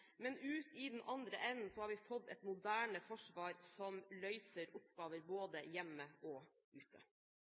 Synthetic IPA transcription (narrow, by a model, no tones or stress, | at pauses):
mɛnʉːt̪ɪd̪ɛnʔɑnd̪ɾəʔɛnn̩sɔhɑːɾʋɪfɔd̪ːɛt̪mʊd̪æːɳəfɔʂʋɑːɾsɔmlœʏsəɾʊpɡ̥ɑːʋəɾboːd̪əjɛmːəɔ | ʉːt̪ʰə̰